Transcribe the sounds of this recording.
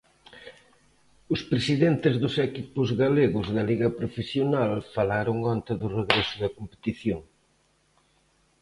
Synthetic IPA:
ʊspɾesiðent̪ɪzðʊsɛkipʊzɣaleɣʊzðɐliɣɐpɾofesjonalfalaɾʊŋɔnt̪ɪðʊreɣɾesʊðɐkompe̥t̪iθjoŋ

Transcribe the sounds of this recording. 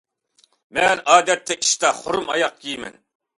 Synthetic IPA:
mɛnɑːd̪ɛt̪ʰːɛi̥ʃt̪ɑχoɾumɑ̰jɑq̚kʰʲijmɛ̰n

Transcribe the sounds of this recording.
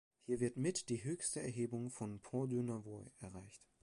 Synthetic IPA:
hiːɐvɪɐtmɪtd̥iːɦøːçstəɛɐɦeːbʊŋfɔnpʰɔːdynɐvoɪʔɛɐʁaɪçt

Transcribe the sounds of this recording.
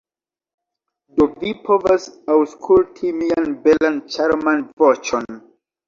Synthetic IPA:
dovipʰovasawskʰultʰimianbelant͡ʃaɾmanvɔt͡ʃɔn

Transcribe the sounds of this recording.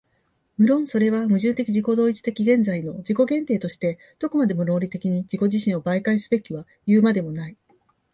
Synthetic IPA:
mɯ̟ɾõ̞ɰ̃so̞ɾe̞β̞amɯ̟ʑɨ̃nt̪e̞kʲiʑiko̞d̪o̞ːit͡ɕi̥t̪e̞kʲiɡẽ̞nzaino̞d͡ʑiko̞ɡẽ̞nt̪eːt̪o̞ɕi̥t̪e̞ | d̪̥o̞ko̞mad̪e̞mo̞ɾo̞ːɾʲit̪e̞kʲiɲ̟id͡ʑiko̞ʑiɕĩɰ̃o̞baikaisɨ̥be̞kʲiβa | jɯːmad̪e̞mo̞nai

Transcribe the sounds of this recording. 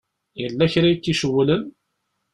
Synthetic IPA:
jəlːæçɾajtːiʃəwləm

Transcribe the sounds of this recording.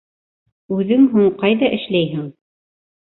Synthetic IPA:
ʉðɘŋɦuɴqɑjðɑʔɘ̆ʃlæjɦɘŋ

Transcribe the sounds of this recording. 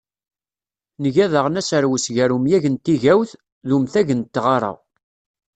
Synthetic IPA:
nəʝæðəʁnæsəɾwəsʝæɾumjæʝənt̪ːiʝæwθ | ðumθæʝənt̪ːʁɑɾˤə̰ʁ

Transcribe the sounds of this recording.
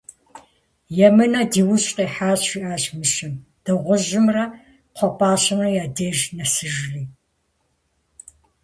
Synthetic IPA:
jɛmɨnɐdiːwʊɕʼqʼeːħaːɕiʔaːʑmɨʃɪmd̥ɐʁʷʊʒɪmrɐ | qʷʰɔpʰʼaːɕɐnɐjaːdeːʒnɐsɨʒliː

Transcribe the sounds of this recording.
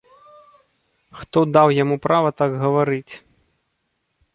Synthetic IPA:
xt̪ɔd̪awjamupɾavɐt̪aɡɣɐvaɾɨt͡sʲ

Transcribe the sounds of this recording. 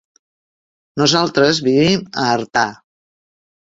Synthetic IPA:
nuzalˠt̪ɾəzβiβiməːɾt̪a

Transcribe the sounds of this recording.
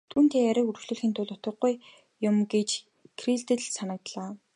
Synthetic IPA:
t̪ʰuːnt̪ʰeːæɾə̆kurxɮŭːɮxiːnt̪ʰʊɮʊt̪ə̆ɢuj | jʊmɡet͡ɕ | kʰriɮt̪ɘ̆ɮsanə̆k̚t̪ɮaː

